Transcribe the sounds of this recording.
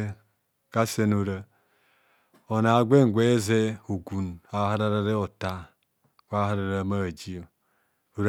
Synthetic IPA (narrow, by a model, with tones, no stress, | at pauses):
ka˦se˦nu˨ɾa˦ | o˨na˨ɡʷe˦ŋ˨ɡʷe˦ze˦u˨ɡu˨na˨˦ɦa˦ɾa˦ɾa˦ɾe˦o˨ta˦ | kʷa˦ɦa˦ɾa˨ɾa˦ma˦˨d͡ʒi˦ | u˨ɾ